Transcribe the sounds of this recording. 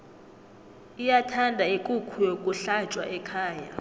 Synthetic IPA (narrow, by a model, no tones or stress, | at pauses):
ijatʰandʱaekʼukʰujokʼuɬat͡ʃʼwa̰ʔɛkʰaːja